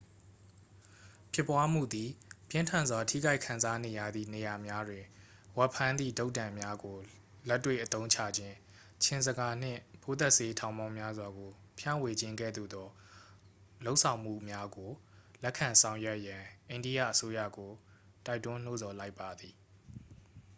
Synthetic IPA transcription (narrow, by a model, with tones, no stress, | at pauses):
pʰjɪ˦˨pːwa˦m̥ṵ˦˨d̪i˨pjɪ̃˦ntʰã˨nzwa˨tʰḭ˦˨ɡa˦ɪkʰã˨nza˦ne˨ja̰˦˨d̪ðḭ˦˨ne˨ja˨mja˦dwɪ̃˨ | wɛ˦pʰːã˦nd̪ḭ˦˨do˦ʊtã˨mja˦ɡo˨ | lɛ˦tːwḛ˦˨ʔət̪õ˦ʊ̃ɲt͡ɕʰä̰˦˨d͡ʑɪ̃˦ | t͡ɕʰɪ̃˦˨nzəɡa˦n̥ɪ̰̃˦˨pʰo˦t̪ɛ˦ʔse˦tʰã˨ʊ̃mã˦ʊ̃mja˦zwa˨ɡo˨ | pʰjã̰˦˨we˨d͡ʑɪ̃˦ŋɡɛ̰˦˨d̪ṵ˦˨d̪ɔ˦ | lo˦ʊʔsʰã˨ʊ̃m̥ṵ˦˨mja˦ɡo˨lɛ˦ʔkʰːã˨nsʰã˨ʊ̃jɛ˦ʔjã˨ʔẽ˨ɪ̃ndi˦jä̰˦˨ʔəso˦jä̰˦˨ɡo˨ | ta˦ɪtːʊ̃˦n̥o˦zɔ˨la˦ɪpːa˨d̪i˨